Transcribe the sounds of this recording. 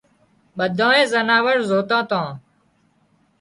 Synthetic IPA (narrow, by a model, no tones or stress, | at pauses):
ɓəd̪ãːẽːzənaːʋəɾzoːt̪ãːt̪ãː